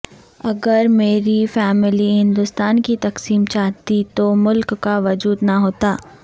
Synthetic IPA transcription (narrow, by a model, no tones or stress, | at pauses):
ɐɡəɾmeːɾifɛːmɪliɦɪ̃nd̪ʊst̪aːnkit̪ɐqsiːmt͡ʃaːt̪it̪omʊlkːaʋɐd͡ʒuːd̪nɐɦoːt̪aː